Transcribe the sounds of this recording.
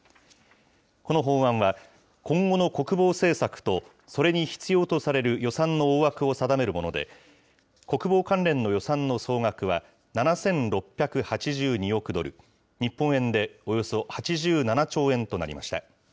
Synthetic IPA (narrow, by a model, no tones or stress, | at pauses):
ko̞no̞ɦõ̞ːɰãɰ̃βa | kõ̞ŋɡo̞no̞ko̞kɯ̟bo̞ːse̞ːsakɯ̟̥t̪o̞ | so̞ɾe̞ɲ̟içi̥t͡sɨjo̞ːt̪o̞saɾe̞ɾɯ̟jo̞sãnːo̞ːβakɯ̟o̞sad̪ame̞ɾɯ̟mo̞no̞̰d̪e̞̰ | ko̞kɯ̟bo̞ːkãnɾẽ̞nːo̞jo̞sãnːo̞so̞ːŋakɯ̟βa | nanasẽ̞nɾo̞pʲːjakɯ̟hat͡ɕiʑɨːɲ̟io̞kɯ̟d̪o̞̰ɾɯ̟ | ɲ̟ipːõ̞ɰ̃ẽ̞nd̪e̞o̞jo̞so̞hat͡ɕiʑɨːnanat͡ɕo̞ːẽ̞nt̪o̞na̰ɾʲḭma̰ɕi̥t̪a̰